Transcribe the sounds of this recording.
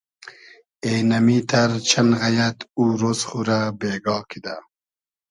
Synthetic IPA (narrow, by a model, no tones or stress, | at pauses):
enɐmit̪ʰaɾt͡ʃʰɐnɣɐjat̪uːɾozχuɾabeːɡɑːkʰid̪a